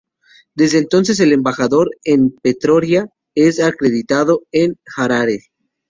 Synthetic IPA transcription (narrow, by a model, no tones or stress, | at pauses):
d̪e̞zðeːnt̪o̞ns̬e̞s̬e̞le̞mbaxaðo̞ɾempet̪ɾo̞ɾja | esakɾe̞ðit̪aðo̞enxaɾaɾes